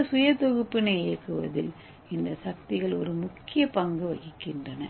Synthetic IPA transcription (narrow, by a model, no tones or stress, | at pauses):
sʊjɐt̪ɔɣɯpːɪnɐɪeːkːɯʋɐ̰ðɪl | ɪnd̪ɐsɐk̚t̪ɪɣɐɭɔɾɯmʊkːɪjɐpɐŋɡɯʋɐɣɪkːɪndrɐnɐ